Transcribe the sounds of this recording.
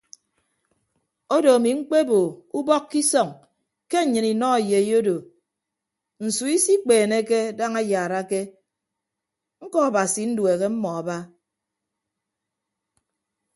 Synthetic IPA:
o˦do˨a˨mi˨ŋ͡m̩˦k͡pe˦bo˨u˦bɔ˦kːi˦sɔ˨ŋ | ke˦˨ɲɨ˨ni˨nɔ˦a˨je˨˦jo˦do˨ | n̩˨su˨i˦si˦k͡peː˨ne˦ke˦da˦ŋa˦ja˨ɾa˦ke˦ | ŋ̩˦kɔ˦a˨ba˨si˨n̩˦dwe˨ɣe˦m̩˦mɔ˨a˨ba˦

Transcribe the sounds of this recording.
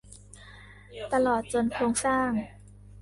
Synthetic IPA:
t̪a˧lɔː˨˩t̪̚t͡ɕo˧nkʰoː˧ŋsaː˥˩ŋ

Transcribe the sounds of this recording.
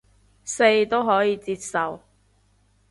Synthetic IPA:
se˧jt̪o˥wɦɔː˨˥jiː˨˧t͡siː˧t̚sɐ˨w

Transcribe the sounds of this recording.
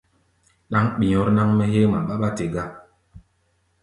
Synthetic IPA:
na˦ŋɓi˨ɲɔ˦ɾna˦ŋmɛ˦ɦe˦ma˨ɓa˦ɓa˦te˨ɡa˦

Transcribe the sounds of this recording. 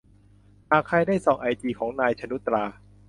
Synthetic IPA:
ʔaː˨˩kʰːa˧jdaː˥˩jsɔː˨˩ŋʔa˧jt͡ɕiː˧kʰɔː˩˦ŋnaː˧jt͡ɕʰa˧nu˦˥t̪ɾaː˧

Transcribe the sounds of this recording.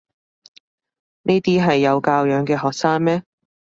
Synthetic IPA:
niː˥t̪iː˥ɦɐ˨jːɐ˨˧wkaː˧wjœː˨˥ŋkɛː˧ɦɔː˨k̚saː˥ŋmɛː˥

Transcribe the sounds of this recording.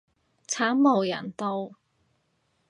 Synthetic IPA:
t͡sʰaː˨˥mmo˨˩wjɐ˨˩nt̪o˧w

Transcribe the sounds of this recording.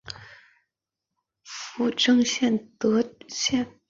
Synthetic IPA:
fu˥˩ʈ͡ʂɤ˥˧ŋɕjɛ˥˩nt̪ɤ˧˥ɕjɛ˥˩n

